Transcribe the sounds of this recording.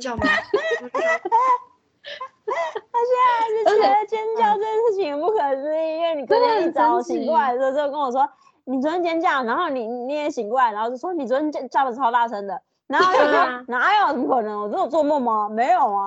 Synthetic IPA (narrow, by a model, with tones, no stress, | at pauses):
ɕɛ˥˩n˧˥ʂ̩˥˩˥ə˥˧t͡ɕjɛ˥n˥t͡ɕjɑ˥˧ʊʈ͡ʂɤ˥˧t͡ɕjɛ˥˧nʂɻ̩˥˩t͡ɕʰi˨˩ŋə˨˩pu˥˩kʰə˨˩t͡s̩˥i˥i˥ŋwe˥˩ɪni˨˩kʰnə˧˥i˧˩t͡sɑ˨˩˦ʊɕi˧˩ŋkwa˥˩ɪ˥˩˧o˧kə˧˥nwɔ˨˩wɔ˥ | ni˨˩t͡swə˥nə˥nt͡ɕjɛ˥nt͡ɕja˥˩na˧˥xo˥˩ʊni˨˩ni˨˩ni˥˩ɛ˧˥ɕi˨˩ŋkwa˥˩ɪna˧˥xo˥˧˩t͡ɕo˥˩ʂwɔ˥ni˨˩t͡swə˥nə˥nt͡ɕɛ˥nt͡ɕja˥˩ə˨˩˧ɑ˧˥ʊt̪a˥˩ʈ͡ʂʰə˧˥nd̪ə˨ | na˧˥˧jo˥˩ɔ˥na˧˥jə˧˩m˥˩kʰɤ˨˩nɤ˧˥ŋwt͡s̩˥˩o˨˩t͡swɔ˥˧mɔ˥˩mɐ˩me˧˥ɪjo˨˩ʊɐ˦